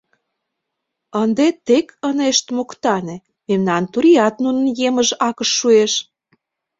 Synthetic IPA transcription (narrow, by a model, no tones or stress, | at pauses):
ənd̪et̪ekəneʃt̪mokt̪ɑnĕ | memnɑnt̪uɾiɑt̪nunə̆njeməʒɑkə̆ʃːueʃ